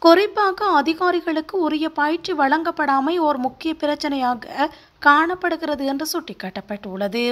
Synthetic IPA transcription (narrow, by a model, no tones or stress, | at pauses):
kʊrɪpːaːɣɐɐðɪɣaːɾɪɣɐɭɯkːɯʊɾɐjɐpaːjʈt͡ʃːiʋɐɭɐŋɡɐpːɐɽaːmɐɪɔɾɯmʊkːɪjɐpɪɾɐt͡ʃːɐnɐjaːɣɐ | kaːɳɐpːɐɽɯɣɪɾɐðɯɛndrɯsʊʈːɪkːɐːʈːɐpːɐʈːɯʊɭːɐðɯ